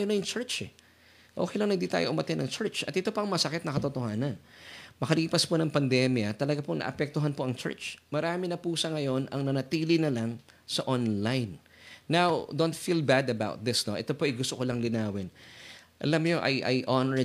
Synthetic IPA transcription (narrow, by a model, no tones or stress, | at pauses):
jonɐjʊŋt͡ʃɛɹt͡ʃɛ | ʔo̰kejlɐŋnɐɡ̚d̪it̪a̰ːjoʔʊmɐt̪ɪnɐŋt͡ʃɛɹt͡ʃʔɐt̪ʔɛt̪o̞pɐŋmɐsɐkɪt̪nɐkɐt̪ot̪ohaːnɐnmɐkɐliːpɐsponɐŋpɐnd̪ɛmjɐt̪ɐlɐɡaponɐ̰ʔɐpɛk̚t̪oɦanpo̞ʔɐŋt͡ʃɛ̰ɹt͡ʃmɐɾaːmɪnɐpusɐŋɐjo̞nʔɐŋnɐnɐt̪iːlɪnɐlaŋ | sɐʔonlajnː | awd̪ont̪filbad̪ɐba̰wt̪̚d̪ɪsno̞ʔɛt̪opoʔɐjɡʊst̪okolɐŋlɪnaːwɪnʔɐ̰lamɲoʔɐ̰jʔɐ̰jʔonɛɹ